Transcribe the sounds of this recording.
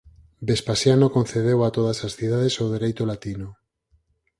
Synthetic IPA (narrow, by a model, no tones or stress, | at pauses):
bespasjanokõn̟θeð̞ewat̪oð̞asasθiðað̞esoð̞eɾejt̪olat̪ino